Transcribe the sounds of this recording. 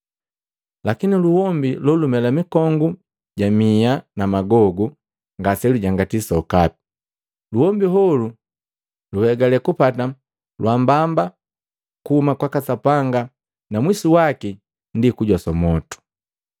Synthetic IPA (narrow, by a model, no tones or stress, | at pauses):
lakiniluwɔmbilɔlumɛlamikɔŋɡu | ɟamianamaɡɔɡu | ŋɡasɛluɟaŋɡatisaɔkap̚i̥ | luhɔmbiɦɔlu | luhɛɡalɛkupata | lwambamba | kuhumakwakasapaŋɡa | namwisiwaki | ndikuɟɔsɔmɔtu̥